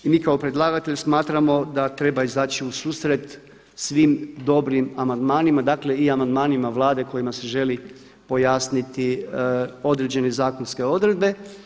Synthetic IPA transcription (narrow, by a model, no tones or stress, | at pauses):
imiːkaopɾed̪lˠaːɡat̪e̞ʎsmaːt̪ɾamo̞d̪at̪ɾe̞baizaːt͡ɕiusuːsɾe̞t̪ | sʋimd̪o̞bɾimamand̪maːnimad̪aːkle̞iamand̪maːnimaʋlˠaːd̪e̞ko̞jimase̞ʒe̞li | po̞jaːsnit̪i | o̞d̪ɾe̞d͡ʑe̞ne̞zaːko̞nske̞o̞d̪ɾe̞d̪̚be̞